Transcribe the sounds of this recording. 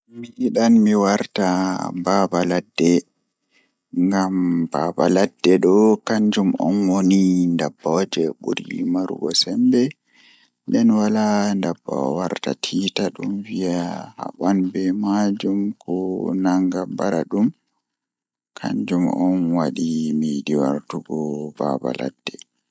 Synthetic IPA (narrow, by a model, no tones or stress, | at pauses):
miʔiɗanmiwaɾtababaladːɛ | ŋɡamb̥abaladːɛɗɔkaɲd͡ʒumɔ̰nwonindabːɔd͡ʒɛɓuɾimaɾṵɡɔ̰sɛmbɛ | ndɛnwalandabːa̰waɾta̰tʰitaɗumvijaha̰ɓanbɛmad͡ʒumkɔnaŋɡabaɾaɗum | kʰa̰ɲd͡ʒumɔnwaɗimidiwa̰ɾtuɡɔba̰ba̰la̰d̥ːɛ